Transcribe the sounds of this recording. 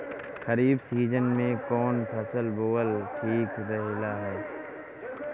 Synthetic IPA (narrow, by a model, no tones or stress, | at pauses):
xəɾiːbsiːd͡ʒənmẽkɔːnpʰəsəlboːəlʈʰiːkɾəɦelaːɦɛː